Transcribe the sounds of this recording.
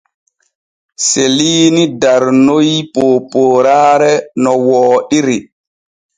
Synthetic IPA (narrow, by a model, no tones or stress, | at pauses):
seliːnidaɾnojpoːpoːɾaːɾɛnɔwɔːɗiɾi